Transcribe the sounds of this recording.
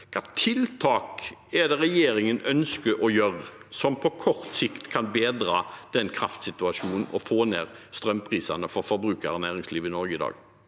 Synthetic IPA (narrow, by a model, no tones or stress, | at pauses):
kʰɑːt̪ʰɪlt̪ʰɑːkɛd̪ɛɾɛjeːɾɪŋənœnskəʔɔjøːʁəsɔmpʰɔkʰɔʁt̪sɪkt̪kʰɑnbeːd̪ʁɑːd̪̥ɛnkʰɾɑft̪sɪt̪ʉɑʂuːnn̩ɔfoːneːʁst̪ɾœmpʰʁiːsɑnəfɔɾfɔɾbɾʉːkɑʁənæːʁɪŋsliːʋəɪnɔɾɡəɪd̪ɑ̰ːɡ